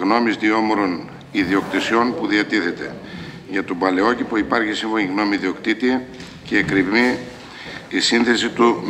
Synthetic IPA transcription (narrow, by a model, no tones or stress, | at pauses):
ɣno̞mizðio̞moɾo̞n | iðio̞kt̪isio̞npuðiɐt̪iθe̞t̪e̞̰ | ʝɐt̪obɐle̞o̞cipuipɐɾçisiɱvo̞niɣno̞miðiokt̪it̪i | ceːkɾimi | isinθe̞sit̪u